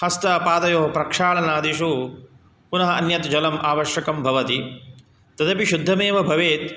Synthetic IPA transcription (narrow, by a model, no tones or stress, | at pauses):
hɐst̪ɐpaːd̪ɐjoːɦɐpɾɐkʂaːɭɐnaːd̪iʃu | punɐɦɐɐnjɐt̪d͡ʒɐlɐmʔaːʋɐʃjɐkɐmbʱɐʋɐt̪i | t̪ɐt̪ɐpiʃud̪ʱːɐmeːʋɐbʱɐʋeːt̪